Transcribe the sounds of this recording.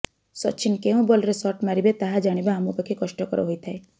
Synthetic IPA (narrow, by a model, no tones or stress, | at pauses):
sɔ̰t͡ʃʰinkeũbɔlɾesɔʈmaɾibet̪aɦad͡ʒaɽ̃ibaːmupɔkʰikɔʃʈɔkɔɾɔ̰ɦojt̪ʰae